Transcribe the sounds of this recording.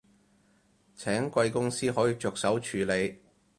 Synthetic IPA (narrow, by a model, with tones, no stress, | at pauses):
t͡sʰɛː˨˥ŋkʷɐ˧jkʊ˥ŋsiː˥ɦɔː˨˥jiː˨˧t͡ʃɔː˨k̚sɐ˨˥wt͡ʃʰyː˨˥le˨˧j